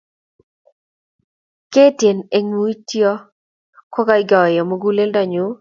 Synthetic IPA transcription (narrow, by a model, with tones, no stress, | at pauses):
ke˦tje˨ne˦ŋu˦i˦tjɔ˦ | kɔ˦ka˦ɪ˦ɡa˨wɛ˨jɔ˨mo˦ɡu˦le˦lda˨ɲu˨˦